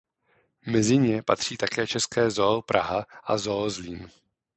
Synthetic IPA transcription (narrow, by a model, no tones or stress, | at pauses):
mɛzɪɲɛpat̪r̝̥iːt̪akɛːt͡ʃɛskɛːzopɾʔaɦaʔazozliːm